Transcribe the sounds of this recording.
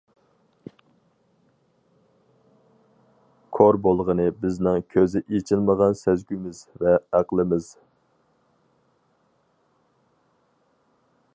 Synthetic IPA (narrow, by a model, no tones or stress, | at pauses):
kʰoɾbolˠʁənɨbɪznɪŋkʲʰøzɪʔet͡ʃʰɪlməʁɑnsɛzɡʲymɪzvɛæqlˠɨmɪz̥